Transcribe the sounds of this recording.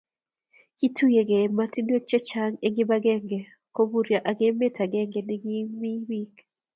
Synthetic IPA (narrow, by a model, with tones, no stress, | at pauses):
ki˦tʰu˦je˨ɡe˨ma˦ti˦njo˦t͡ʃe˦t͡ʃa˦ŋe˦ɡɪ˦ba˦ɡɛ˦ŋɡe˨ | ko˦bu˦ɾja˨ʔa˨ɡe˦me˦tʰa˨ɡɛ˦ŋɡe˨nɪ˦ɡɪ˦mi˦bi˦k